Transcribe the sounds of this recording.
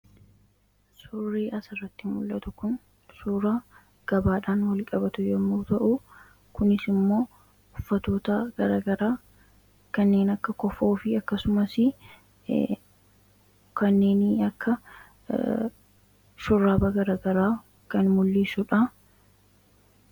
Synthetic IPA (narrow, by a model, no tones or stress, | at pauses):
sʊrːiːʔɐsɐrːɐt̪ːɪmʊlːɐt̪ʊkʊn | suːɾaː | ɡ̥ɐbaːᶑaːnwɐlkʼɐbɐt̪ʊjɔmːuːt̪ɐʔʊ | kʊnɪsɪmːo̞ː | ʊfːɐt̪o̞ːt̪ɐɡ̥ɐɾaːɡɐɾaː | kɐnːe̞ːnɐkːɐkɔfoːfɪɐkːɐsʊmɐsɪ | kɐnːe̞ːnɐkːɐ | ʃʊrːaːbaɡɐɾaːɡɐɾaː | kɐnmʊlːisʊᶑɐ